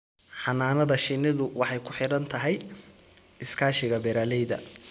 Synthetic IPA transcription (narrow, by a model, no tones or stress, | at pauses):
ħɑnaːnɐðɐʃɪnɪðʊwʔɑħɑjkʰʊ̥ħɪɽɐnt̪ʰɐɦɛj | ɪskʰaːʃɪɣɐbɛɾaːlɛjðɐ̰